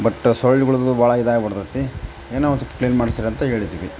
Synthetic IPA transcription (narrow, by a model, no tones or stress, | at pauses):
bɐʈːsoɭːiɡɐɭud̪ubaːɭɐid̪aːjɐbɐɽt̪ɐt̪ːi | eːnaːʋkliːnmaːɽisiɾɐnt̪ɐɦe̞ːɭid̪iːʋi